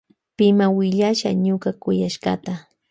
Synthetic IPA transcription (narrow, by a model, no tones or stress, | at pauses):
pɪmawɪʎaʃa̰ɲʊkakʊjaʃɢɑ̰t̪a